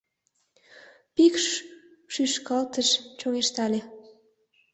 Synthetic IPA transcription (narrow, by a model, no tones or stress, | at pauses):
pikʃʃyʃkɑlt̪əʃt͡ɕoŋeʃt̪ɑlʲe